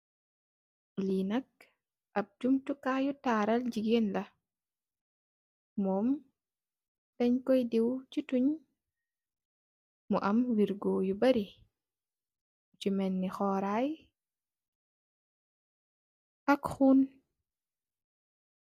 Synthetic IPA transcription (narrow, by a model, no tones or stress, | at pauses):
linɐk̚ | ʔɐp̚d͡ʒumtukaːjutaːɾɐlɟiɡenlɐ | mɔːm | tɛɲkɔjdiwcituɲ | muʔɐmwiɾɡɔːjubɐɾi | t͡ʃumɛnːixɔːɾaj | ɐkxuːn